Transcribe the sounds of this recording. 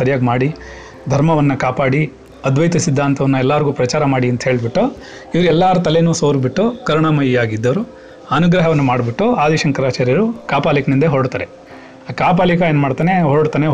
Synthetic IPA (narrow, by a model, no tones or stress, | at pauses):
sɐɾijaːɡmaːɽi | d̪ʱɐɾmɐʋɐnːɐkaːpaːɽi | ɐd̪ʱʋɐjt̪isid̪ʱːaːnt̪ʰɐʋɐnːuɛlːaːɾɡuːpɾɐt͡ʃaːɾɐmaːɽiɐnt̪ɐɦeːɭbiʈːo | iʋɐɾuɛlːaːɾut̪ɐlenuːsoːɾbiʈːokɐɾuɳamɐjiaːɡid̪ːɐʋɐɾu | ɐnuɡɾɐɦɐʋɐnːɐmaːɖbiʈːuaːd̪iʃɐŋkɐɾaːt͡ʃaːɾijɐɾukaːpaːlikɐnind̪ɐɦoːɽt̪aːɾe | akaːp̬aːlikɐeːnmaːɖt̪aːneɦoːɽt̪aːne